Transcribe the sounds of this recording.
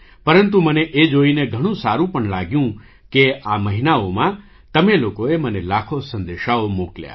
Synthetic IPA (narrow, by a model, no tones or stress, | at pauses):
pəɾənt̪uməneʔed͡ʒoineɡʱəɽ̃ũsaɾũpəɳlaɡjũ | keaməɦinaomã | t̪əmelokoemənelakʰosə̃nd̪eʃaomoklja̰